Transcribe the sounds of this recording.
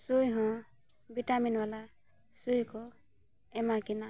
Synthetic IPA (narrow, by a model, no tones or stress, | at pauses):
sujɦɔ̃ | bitaminwala | sujkɔ | ɛmakina